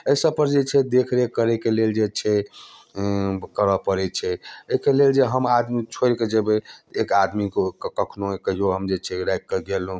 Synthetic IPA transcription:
əsəbpəɾd͡ʒet͡ʃʰɛd̪ekʰɾekəɾɛkeleld͡ʒet͡ʃʰɛ | kəɾəpəɾɛt͡ʃʰɛəkeleld͡ʒeɦəmad̪mit͡ʃʰoɾked͡ʒebeekad̪mikkkəkʰnoekəɦioɦəmd͡ʒet͡ʃʰɛɾajkkːəɡelɦũ

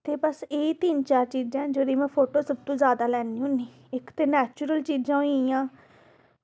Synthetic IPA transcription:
t̪eːbəseːit̪iːnt͡ʃaːɾt͡ʃiːd͡ʒãd͡ʒoːd̪iːmɛ̃ːpʰoːʈoːsəb̚t̪õːzjaːd̪aːlɛːniːũniː | ɪkt̪eːnɛːt͡ʃʊɾəlt͡ʃiːd͡ʒãːõjãː

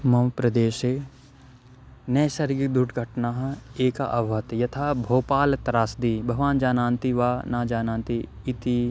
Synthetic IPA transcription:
mɐwpɾɐd̪eːʃeː | nɐːsɐɾɡikd̪ʱuʈɡʱɐʈnaɦeːka̰ʔɐʋɐt̪jɐt̪ʰaːbʱoːpaːlɐt̪ɾaːsd̪ibʱɐɡʋaːnd͡ʒaːnãːnt̪iʋaːnaːd͡ʒaːnãːnt̪iː | t̪i

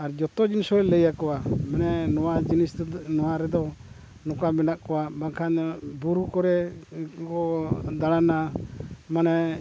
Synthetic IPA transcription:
aɾd͡ʒɔt̪ɔd͡ʒinsɔɾɛləjakɔwamanɛnɔwad͡ʒinisnɔwaɾɛd̪ɔ | nɔkamɛnaʔkɔwabakʰanbuɾukɔɾɛkɔd̪aɽana | manɛ

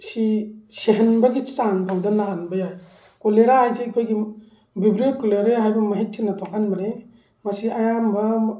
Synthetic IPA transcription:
siseɦenbɐɡit͡ʃaŋpʰawdɐnaːnbɐjaj | koleɾahajzekʰojɡi | bibɾiokɔleɾeɦajbɐmɐɦit̚tʰinːɐtʰɔkanmɐɾe | mɐsiajambɐ

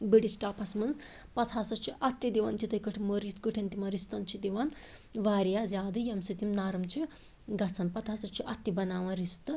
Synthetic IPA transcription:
biɽisʈaːpɐsmɐnz | pɐt̪ʰasɐt͡ʃʰiʔɐt̪ːjid̪iʋɐnt̪it̪ɐjkəʈʰmoɾjit̪kɨʈʰʲɐnt̪imɐɾist̪ɐnt͡ʃʰid̪iʋan | ʋaːɾijazʲjaːd̪ɨjɐmsit̪imnaːɾɐmt͡ʃʰi | ɡɐt͡sʰɐnpɐt̪ʰasɐt͡ʃʰiʔɐt̪ːibɐnaːʋɐ̃ɾist̪ɨ

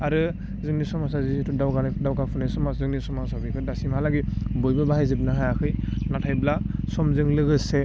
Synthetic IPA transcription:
aɾɯ | zɯŋnisɔmas̬azitʰudawɡandawɡapʰɔnasɔmaszɯŋnisɔmasɔbikʰɯdasimhalaɡibɔjbɯbaɦajzɯb̚naɦajakʰɯjnatʰajblasɔmzɯŋlɯɡɯse

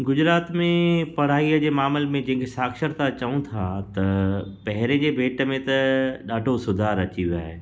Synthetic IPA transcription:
ɡʊd͡ʑɾaːt̪mẽpɐɽ̤aːiəd͡ʑeːmaːmɪlmẽd͡ʑɐ̃ɦɪ̃kesaːkʃəɾt̪at͡ɕɐũt̪ʰat̪ɐpɐɦɪɾẽd͡ʑeːbʱeːʈəmẽt̪ɐɗaːɖʱosʊd̪ʱaːɾɐt͡ɕiʋja̰ːɦeː

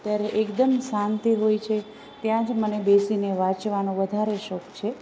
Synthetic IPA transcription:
t̪jaɾeʔekd̪əmsãnt̪iɦojt͡ʃʰe | t̪jãd͡ʒmənebesineʋãt͡ʃʋanõʋəd̪ʱaɾeʃɔkt͡ʃʰe

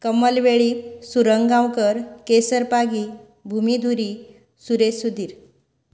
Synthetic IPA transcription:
kəməlʋeɭiːsuɾəŋɡãwkəɾkesəɾpaɡi | bʱumid̪ʱuɾi | suɾesud̪ʱiːɾ

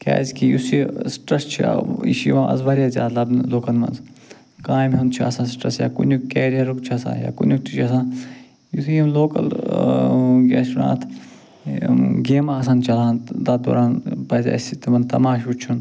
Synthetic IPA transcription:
kʲa̰ːzʲkijusisʈɾɐst͡ʃʰḭḭʃḭʋãːʔɐ̰zʋɐɾjaːzʲja̰ːd̪lɐbloːkɐnmɐ̰nz | kaːjmɦent͡ʃʰiɐ̰sãːsʈɾɐ̰sja̰ːkṵnʲukeːɾijɐɾukt͡ʃʰiɐsã̰ːja̰ːkṵnʲukt̪it͡ʃʰiɐsãː | jut̪ʰijimloːkɐl | ɡʲaːt͡ʃuna̰ːt̪ʰ | ɡeːmãːɐsãːnt͡ʃɐlãːnd̪ad̪o̰ːɾaːnpɐzʲa̰sit̪imɐnt̪ɐmaːʃut͡ʃʰun

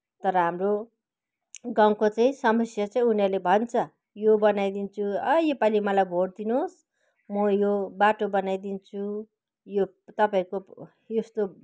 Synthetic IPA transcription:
t̪ʌɾʌɦamro | ɡaw̃kot͡sãĩsʌmʌsjʌt͡saĩunerlebʱʌnt͡sʰʌ | jobʌnajd̪int͡sʰuʌjepalimʌlajbʱoɽd̪inos | mʌjobaʈobʌnajd̪int͡sʰu | jo | t̪ʌpaĩko | jest̪o

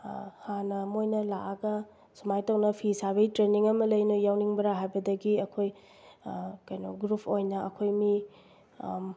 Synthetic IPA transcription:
hanɐmojnɐlaaɡɐ | sumajtɐwnɐpʰisabɐɡitɾeniŋɐmɐlɐjnojawniŋbɐɾaɦajbɐdɐɡiɐkʰoj | kɐjnoɡɾupʰojnɐɐkʰojmi

